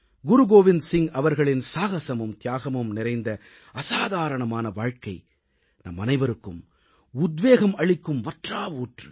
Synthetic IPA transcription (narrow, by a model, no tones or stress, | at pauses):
ɡʊɾʊɡoːʋɪnsɪŋɐʋɐɾɣɐɭɪnsaːɣɐsɐmɯmt̪jaːɣɐmɯmnɪɾɐɪnd̪ɐ | ɐsaːðaːɾɐɳɐmaːnɐʋaːɻkɐɪ | nɐ̰mːɐnɐɪʋɐɾɯkːɯm | ʊd̪ʋeːɣɐmɐɭɪkːɯmʋɐʈraːʋuːʈrɯ̰